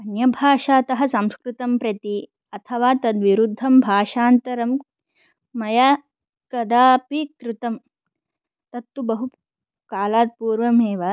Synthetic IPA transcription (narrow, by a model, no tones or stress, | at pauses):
ɐnjɐbʱaːʃaːt̪ɐɦɐsɐ̃mskɾɪt̪ɐmpɾɐt̪i | ɐt̪ʰɐʋaːt̪ɐd̪ʋiɾud̪ʱːɐmbʱaːʂaːnt̪ɐɾɐmː | ɐja | kɐd̪aːpikɾɪt̪ɐm | t̪ɐt̪ːubɐɦu | kaːlaːt̪̚puːɾʋɐmeːʋɐ